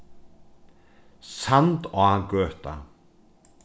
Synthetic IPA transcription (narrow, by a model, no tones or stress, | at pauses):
sant̪ɔaɡœːht̪a̰